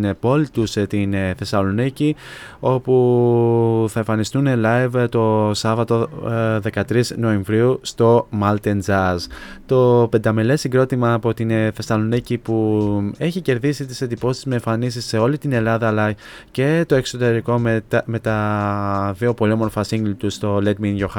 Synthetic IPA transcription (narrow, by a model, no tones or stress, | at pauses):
npo̞lit̪ust̪inθe̞sɐlo̞nicio̞pu | θɐeɱfɐnist̪unelɐjvt̪o̞sɐvɐt̪o̞ðe̞kɐt̪ɾizno̞e̞ɱvɾiust̪o̞mɐlt̪end͡zɐzt̪o̞pe̞nd̪ɐmele̞siŋɡɾo̞t̪imɐːpo̞t̪inθe̞sɐlonicipue̞çice̞ɾðisit̪ise̞t̪ipo̞siizmeːɱfɐnisisːe̞o̞lit̪ine̞lɐðɐːlɐ | ce̞t̪o̞e̞kso̞t̪e̞ɾiko̞mt̪met̪ɐ | ðio̞po̞lio̞mo̞ɾfɐsiŋɡlit̪ust̪o̞led̪minʝo̞xɐ